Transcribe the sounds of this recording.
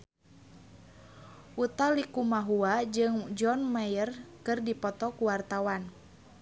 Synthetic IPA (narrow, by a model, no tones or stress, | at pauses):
ʔut̪alikumaɦuad͡ʒɨŋd͡ʒɔnmajərkɨrdipɔt̪ɔkuwart̪awan